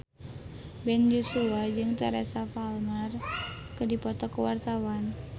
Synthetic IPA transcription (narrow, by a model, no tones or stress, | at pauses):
bɛnd͡ʒosuad͡ʒɨŋt̪ɛɾɛsafalmar | kədipɔt̪ɔkəwart̪awan